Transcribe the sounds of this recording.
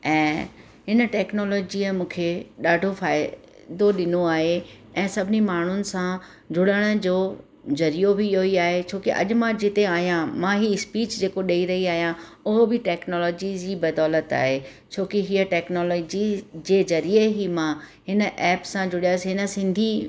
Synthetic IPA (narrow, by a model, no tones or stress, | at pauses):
ɛ̃ː | ɦɪnə̆ʈɛːknɔːlɔːd͡ʑiəmũːkʰeɗaːɖʱofaːɪ | d̪oɗɪnoaːɦe | ɛ̃ːsɐbʱɪnimaːɳ̤ʊnɪ̆sã | d͡ʑʱʊɽəɽ̃ə̆d͡ʑoː | zɐɾijobʱioiaːɦet͡ɕʰoːkiʔɐ̰ʄmãd͡ʑɪt̪eaːɦijãmãɦiɪspiːt͡ɕd͡ʑeːkoɗɐiɾɐɦiaːɦijã | ʊɦobɪʈɛːknɔːlɔːd͡ʑid͡ʑiːbɐd̪ɔːlət̪a̰ːɦe | t͡ɕʰoːkiɦiːəʈɛːknɔːlɔːd͡ʑid͡ʑeːzɐɾieɦimãɦɪnə̆ʔɛːpsãd͡ʑʊɽijaːsiɦɪnə̆sɪ̃nd̪ʱi